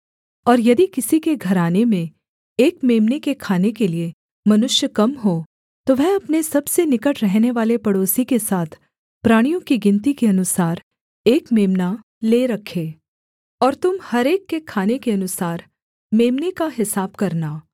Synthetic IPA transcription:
ɔːɾjɐd̪ikɪsikeɡʱɐɾaːnemẽ | eːkmeːmnekekʰaːnekelie | mɐnʊʃjəkɐmɦo | t̪oʋɛɦɐpnesɐbsenɪkəʈɾɛɦneʋaːlepɐɽoːsikesaːt̪ʰ | pɾaːɽ̃ijõkiɡɪ̃nt̪̬ikeɐnʊsaːɾ | eːkmeːmna | leːɾɐkʰeː | ɔːɾt̪ʊmhɐɾeːkːekʰaːnekeɐnʊsaːɾ | meːmnekaɦɪsaːbkɐɾnaː

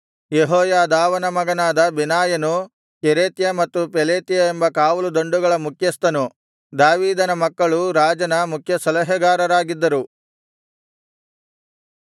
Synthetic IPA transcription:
jeɦɔːjaːd̪aːʋɐnɐmɐɡɐnaːd̪ɐbinaːjɐnu | keɾeːt̪jɐmɐt̪ːupeleːt̪ijɐembɐkaːʋɐlud̪o̞ɳɖuɡɐɭɐmukʰjɐst̪ɐnu | d̪aːʋiːd̪ɐnɐmɐkːɐɭuɾaːd͡ʒɐnɐmukʰjɐsɐlɐɦɐɡaːɾɐɾaːɡid̪ːɐɾu

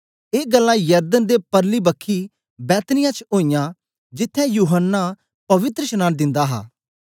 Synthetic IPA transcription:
eːɡəlːãːjəɾd̪ənd̪epəɾliːbəkʰːi | bɛːt̪nɪjãt͡ʃoːijãː | d͡ʒɪt̪ʰːɛ̃juːɦənːa | pɐʋɪt̪ɾəʃənaːnd̪ɪ̃nd̪aːɦa̰ː

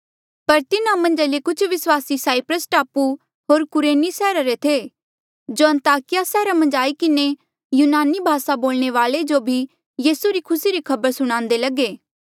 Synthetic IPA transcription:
pɐɾt̪ɪnãmɐ̃nd͡ʒalekʊt͡ʃʰʋɪswaːsisaːipɾəsʈaːpu | ɦoːɾkʊɾeːnisɛːɾaɾet̪ʰeː | d͡ʒoːɐ̃nt̪aːkɪjasɛːɾamɐ̃nd͡ʒaːikɪne | juːnaːnibʱaːsaboːlɽ̃eʋaːled͡ʒobʱi | jiːsuɾikʰʊsiɾikʰɐbəɾsʊɽ̃ãːnd̪elɐɡeː

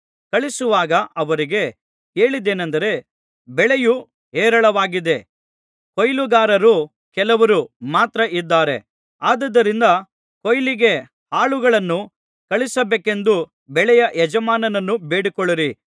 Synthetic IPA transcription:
kɐɭisuʋaːɡɐʔɐʋɐɾiɡe̞ | ke̞ːɭid̪eːnɐnd̪ɐɾe̞ | bɛɭeju | ɦeːɾɐɭɐʋaːɡid̪e̞ | kojluɡaːɾɐɾu | kɛlɐʋɐɾumaːt̪ɾɐʔid̪ːaːɾe̞̰ | aːd̪ɐd̪ːɐɾind̪ɐ | kojliɡe̞ | haːɭuɡɐɭɐnːu | kɐɭisɐbeːke̞nd̪u | bɛɭɛjɐʔɛd͡ʒɐmaːnɐnɐnːubeːɽikɔɭiɾi

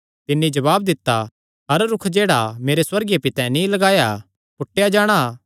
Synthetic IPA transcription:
t̪ɪnːĩd͡ʒɐbaːb̚d̪ɪt̪ːa | ɦɐɾɾʊkʰd͡ʒeːɽameːɾeswɐɾɡjepɪt̪ɛ̃nĩlɐɡaːja | pʊʈːejad͡ʒaːɽ̃a

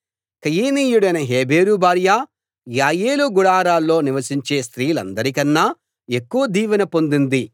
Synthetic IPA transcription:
kɐjiːniːjuɽɐjnɐɦeːbʱeːɾubaːɾjaː | jaːjeːluɡuɽaːɾaːlːo̞ːniʋɐsiɲt͡ʃeːst̪ɾiːlɐ̰nd̪ɐɾikɐnːaː | e̞kːuʋɐd̪iːʋɐnɐpo̞nd̪und̪i

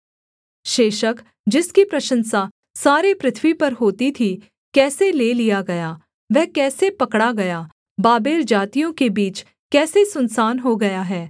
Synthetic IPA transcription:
ʃeːʃək | d͡ʒɪskipɾɐʃə̃nsaː | saːɾepɾɪt̪ʰʋipɐɾɦoːt̪it̪ʰi | kɛːseleːlijaɡɐjaː | ʋɛːkɛːsepɐkɽaɡɐjaː | baːbeːld͡ʒaːt̪ijõkebiːt͡ʃ | kɛːsesʊnsaːnɦoɡɐjaɦɛː

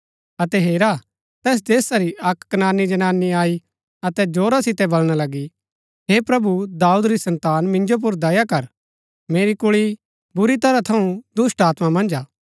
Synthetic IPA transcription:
ɐt̪ɛɦeːɾa | t̪ɛːs̬d̪eːsaɾiʔɐkːənaːnːid͡ʒɐnaːnːiaːi | ɐt̪ɛd͡ʒoːɾasɪt̪ɛbɐlɽ̃alɐɡi | ɦeːpɾɐbud̪aːud̪ɾisɐ̃nt̪aːnmɪ̃nd͡ʒop̬ʊɾd̪ɐjakɐɾ | meːɾikʊɭi | bʊɾit̪ɐɾat̪ʰɐũd̪ʊsʈaːt̪mamɐ̃nd͡ʒaː

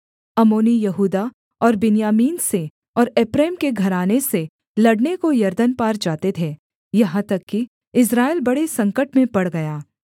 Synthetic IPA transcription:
ɐmoːnijɐɦuːd̪a | ɔːɾbɪnjaːmiːnse | ɔːɾɛːpɾeːmkeɡʱɐɾaːnese | lɐɽnekojɐɾd̪ənpaːɾd͡ʒaːt̪et̪ʰeː | jɐɦãt̪ɐkːi | ɪs̬ɾaːɪlbɐɽesɐ̃ŋkəʈmẽpɐɽɡɐjaː

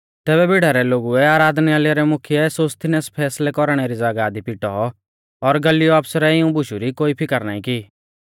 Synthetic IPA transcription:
t̪ɛːβɛbɪɽaɾɛloːɡuɛaːɾaːd̪nialjaɾɛmʊkʰijɛsoːst̪ʰɪnɛspʰɛːslɛkɔɾɽ̃ɛɾid͡zaːɡad̪ipiʈɔ̰ | ɔɾɡɐlijɔaːpʰsɾɛɪũbʊʃuɾikoːipʰɪkəɾnaːĩki

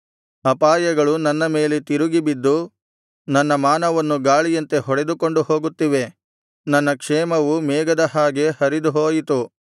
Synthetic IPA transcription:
ɐpaːjɐɡɐɭunɐnːɐme̞ːlet̪iɾuɡibid̪ːu | nɐnːɐmaːnɐʋɐnːuɡaːɭijɐnt̪e̞ɦɔɽe̞d̪uko̞ɳɖuho̞ːɡut̪ːiʋe̞ | nɐnːɐkʂɛːmɐʋumɛːɡɐd̪ɐɦaːɡe̞hɐɾid̪uɦoːjit̪u

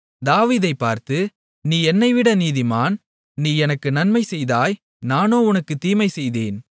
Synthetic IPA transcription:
d̪aːʋiːðɐɪpːaːɾt̪ɯ | niːɛnːɐɪʋɪɽɐniːðɪmaːn | niːɛnɐkːɯnɐnmɐɪsɛjðaːj | naːnoːʊnɐkːɯt̪iːmɐɪsɛjðeːn

